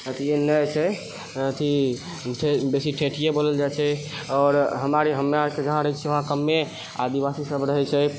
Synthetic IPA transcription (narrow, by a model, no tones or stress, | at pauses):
ət̪ʰienət͡ʃʰɛ | ət̪ʰi | ʈʰebesiʈʰeʈʰijeboləld͡ʒat͡ʃʰɛ | ɔːɾɦəmaɾeɦəmːaked͡ʒəɦãɾəɦɛt͡ʃʰɛʋəɦãkəmːe | ad̪ibasisəbɾəɦɛt͡ʃʰɛ